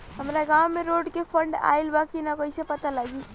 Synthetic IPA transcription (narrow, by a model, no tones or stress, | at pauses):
ɦəmɾaɡawmeɾoɖkepʰəɳɖa̰ilbakinakoisepət̪alaɡi